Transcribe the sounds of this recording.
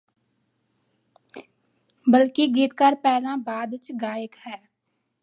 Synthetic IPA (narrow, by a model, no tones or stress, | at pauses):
bəlkiɡiːt̪kaːɾpɛːlãːbaːd̪t͡ʃɡaːjəkhɛː